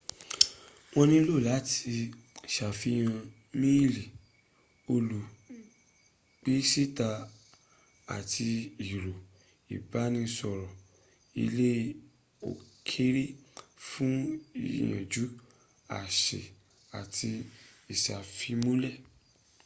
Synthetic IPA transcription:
w̃ɔ̃˧nĩ˦lo˦˨la˨˦ti˧ | ʃa˨fi˧˦j̃ã˧ | mĩ˦li˨ | o˧lu˨ | ɡ͡b̥i˦si˦ta˧ | a̰˨tʰi˧i˨ɾo˨ | ḭ˨ba˨˦nĩ˧sɔ˧ɾɔ˨ | ḭ˧le˦ | o̰˨kʰe˦ɾi˦fũ˦ḭ˦˨jã̰˨d͡ʒu˨˦ | a̰˨ʃe˨ | a˨tʰi˧i˨ʃa˨fi˨˧mũ˦lɛ˦˨

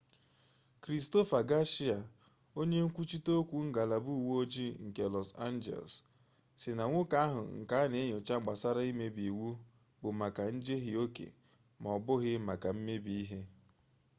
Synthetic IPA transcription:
kɾi˨sto˦fa˨ɡa˦ʃi˦a˨ | o˦ɲe˦ŋ̩˦kʷu˦t͡ʃi˦to˦kʷu˦ŋ̩˦ɡa˨la˨bu˦˨wo˦d͡ʒi˦ŋ̩˨ke˨lɔ˨sa̰˦nd͡ʒḛ˨ls | sɪ˨na˨ŋʷʊ˦ka˦ɦʊ̰˨ŋ̩˨ka˦ne˦ɲ˨o˨t͡ʃa˦ɡ͡ba˨sa˦ɾa˦i˦me˦bi˨wu˦ | bʊ˨ma˨ka˨n̩˦d͡ʒe˦ɦɪ˦o˦kḛ˨ | mɔ˨bʊ˦ɣɪ˦ma˨ka˨m̩˦me˦bi˦i˦ɦe˦

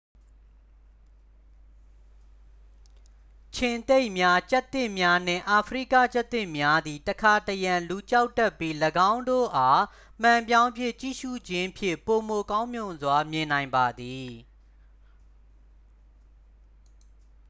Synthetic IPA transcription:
t͡ɕʰɪ̃˨nt̪e˦ɪʔmja˦t͡ɕa˦t̪ːɪ̃˦˨mja˦n̥ɪ̰̃˦˨ʔa˨pʰɹḭ˦˨kä̰˦˨t͡ɕa˦t̪ːɪ̃˦˨mja˦d̪i˨təkʰa˨təjã˨lu˨t͡ɕa˦ʊtːa˦˨pːi˦ləɡã˦ʊ̃ndo̰˦˨ʔa˦ | m̥ã˨mp̬jã˦ʊ̃mpʰjɪ̰̃˦˨t͡ɕḭ˦˨ʃṵ˦˨d͡ʑɪ̃˦pʰjɪ̰̃˦˨po˨mo˨kã˦ʊ̃mjʊ̃˨nzwa˦mjɪ̃˨nã˨ɪ̃mba˨d̪i˨

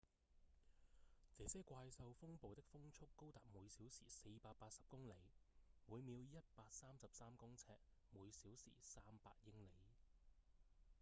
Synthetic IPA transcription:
t͡sɛː˨˧sɛː˥kʷaː˧jsɐ˧wfʊ˥ŋpo˨wt̪ɪ˥k̚fʊ˥ŋt͡ʃʰʊ˥kːo˥wt̪aː˨˩p̚muː˨˧jsiː˨˥wsḭː˨˩se˧jpaː˧k̚paː˧t̚sɐ˨p̚kʊ˥ŋle˨˧jmuː˨˧jmiː˨˧wjɐ˥t̚paː˧k̚saː˥msɐ˨p̚saː˥mkʊ˥ŋt͡sʰɛː˧˥k̚ | muː˨˧jsiː˨˥wsḭː˨˩saː˥mpa̰ː˧t̚jɪ˥ŋle˨˧j

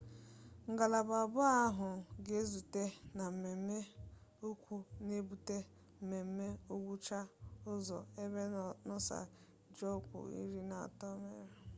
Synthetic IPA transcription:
ŋ̩˨ɡa˨la˨ba˨bʊ˦a˦ɦʊ˨ɡe˦zu˨te˦na˨m̩˨me˨m̩˦me˦o˦kʷu˦ne˦bu˨te˦ | m̩˨me˨m̩˦me˦o˦ɡʷu˦t͡ʃa˦ʊ˦zɔ˨e˦be˦nʊ˦sa̰˨ | d͡ʒɔ˦˨kʷʊ̰˨ḭ˦ɾi˦na˨a̰˨tɔ˦me˦ɾe˨

